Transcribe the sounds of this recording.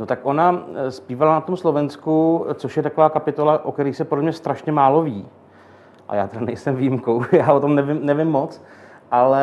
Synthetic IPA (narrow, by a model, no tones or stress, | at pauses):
not̪akʔo̞naspiːvalanat̪omslo̞vɛnskut͡soʃjɛt̪akovaːkapɪt̪o̞laʔokɛɾiːxsɛpodlɛmɲɛst̪ɾaʃɲɛmaːlo̞viː | ʔa̰jaːt̪ɛdanɛjsɛmvijɪmkowjaːʔot̪o̞mnɛvɪmnɛvɪmːot͡s | ʔalɛ